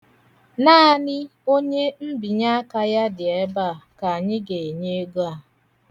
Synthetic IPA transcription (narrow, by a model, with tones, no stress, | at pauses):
naː˦a˦nɪ˦o˦ɲe˦m̩˦bi˨ɲa˦a˦ka˦ja˦dɪ˨ɛ˦ba˦˨ka˨a˨ɲɪ˦ɡe˨ɲe˦ɡu˦a˦˨